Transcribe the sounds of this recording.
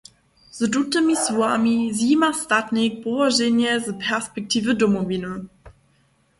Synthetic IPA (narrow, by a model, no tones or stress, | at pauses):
z̥ədutəmisuamiziːmastatnɪk̚pɔvaʒɛnjɛzəpʰɛɐspɛk̚tʰiːvədomovinə